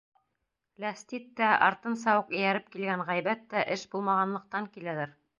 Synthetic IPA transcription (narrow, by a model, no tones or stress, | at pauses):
læst̪it̪ːæɑ̰ɾt̪ɤnsɑwɤqɵ̆jæɾɘp̚kilɡæŋɴʁæjbæt̪ːæʔɘʃbulˠmɑʁɑnlˠɤ̆q̚t̪ɑŋkilæðæɾ